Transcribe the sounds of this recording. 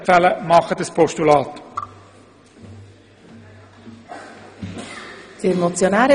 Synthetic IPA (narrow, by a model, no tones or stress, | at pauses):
fæləmɑχədəspʰɔʃtulɑːt | d̥imot͡sjonæːɾə